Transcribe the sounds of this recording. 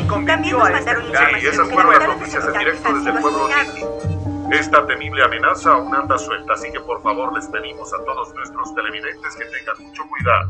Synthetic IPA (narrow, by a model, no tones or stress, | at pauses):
kombenjoesiesasfeɾonlanot̪isjasend̪iɾe̞k̚t̪oðezðelpwe̞βloint̪ikoe̞st̪at̪e̞niβle̞ame̞nasaunand̪aswe̞lt̪aːsike̞po̞ɾfaβo̞ɾle̞spe̞ðimo̞sat̪o̞ðoznwe̞st̪ɾo̞st̪e̞lemiðe̞nt̪e̞ske̞t̪e̞ŋɡanmut͡ʃo̞kwiða̰ðo